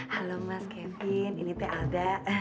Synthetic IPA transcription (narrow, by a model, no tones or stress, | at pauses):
halomatkɛmpininit̪ɛʔadaʔ